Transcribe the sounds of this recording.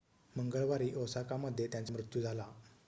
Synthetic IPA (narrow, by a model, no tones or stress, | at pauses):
məŋɡəɭʋaɾiːʔowsakaməd̪ʱːjet̪jãnt͡səmɾut̪jud͡zʱala